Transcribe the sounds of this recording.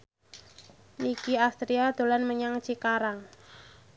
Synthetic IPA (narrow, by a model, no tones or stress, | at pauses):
nikiast̪ɾiad̪̥o̤lanməɲaŋt͡ʃikaɾaŋ